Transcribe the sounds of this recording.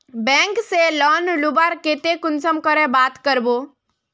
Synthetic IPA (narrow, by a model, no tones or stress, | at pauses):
bɛ̃ŋkselɔːnlubaɾket̪ekʊnsəmkəɾebaːt̪kəɾboː